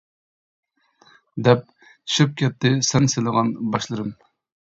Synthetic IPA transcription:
d̪ɛp̚ | ʃɪp̚kʲʰɛt̪ʰːɪsɛnselˠəʁɑnbɑʃlˠɨɾɨm

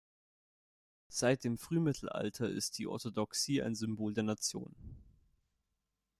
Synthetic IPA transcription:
z̥aɪt̚d̥eːmfʁ̥yːmɪtʰl̩ʔa̰ltʰɐʔɪ̰st̚d̥iːʔɔ̰ɐtodɔksiːa̰ɪnzʏmboːldeːɐnat͡sjo̰ːn

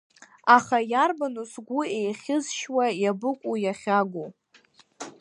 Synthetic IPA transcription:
aχajarbanusɡʷuejχʲɪzʃwajabɨkʷʼujaχʲaɡʷu

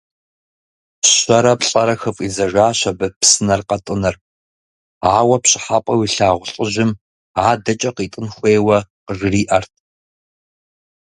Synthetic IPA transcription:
ɕɐɾɐpɬʼɐɾɐxɨfʼizɐʒʷaːɕɐbɐpsɨnɐrqɐtʼɨnɐr | aːwɐpɕʼɪ̥ħapʼɐwiɬaːʁʷʊɬʼɨʑɪm | aːdɐt͡ʃʼɐqiːtʼɨnxʷeːwɐqəʐɨriːʔɐrtʰ

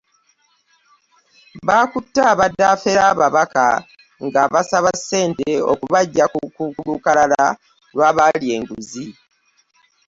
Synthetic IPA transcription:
βaːkutːaːβadːaːfeɾaːβaβaka̰ | ŋɡaβasaβasːe̞ːnteo̰kuβaɟːakukukulukalala | lwaːβalie̞ːŋɡuzi

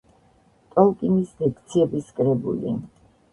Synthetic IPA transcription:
t̪ʼɔlˠkʼinisd̪ɛkʰt̪sʰiɛbiskʼɾɛbṵlḭ

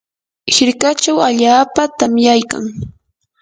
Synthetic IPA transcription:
hɪɾkat͡ʃawaʎaːpat̪amjajka̰ŋ

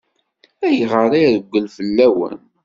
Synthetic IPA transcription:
æjəʁəɾˤiðəɡʷːəlfəlːæwə̰n

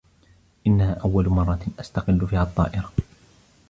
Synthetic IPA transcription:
ʔɪnːahaːʔawːalʊmɑrˤːɑt̪ʔast̪aqɪlːʊfiːhaʔɑt̪ˤːɑ̰ːʔɪɾa

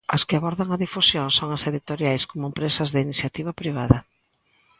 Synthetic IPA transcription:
ɐskɪaβɔɾðɐŋɐðifusjoŋsoŋɐseðit̪oɾjajskomʊempɾesɐzðɪiniθjat̪iβɐpɾiβ̞aðɐ

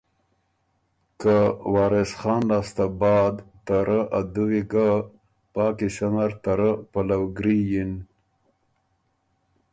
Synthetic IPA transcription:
kawɑːɾesχɑːnlaːst̪abɑːd̪t̪aɾəʔad̪uwiɡa | pɑːkisamaɾt̪aɾəpalawɡɾijin

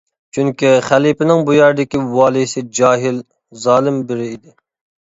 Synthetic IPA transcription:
t͡ʃʰyŋkʲiχælipɪnɪŋbujɑɾd̪ɪkʲiwɑːlˠisɪd͡ʒɑːɦɪl | zɑːlˠɪmbɪɾɪid̪ɪ

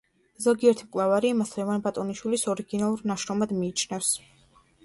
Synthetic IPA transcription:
zɔɡiɛɾt̪ʰimkʼlˠavaɾiːmaslɛvanbat̪ʼɔniʃwilisɔɾiɡinalˠuɾnaʃɾɔmad̪miːt͡ʃʰnɛfs

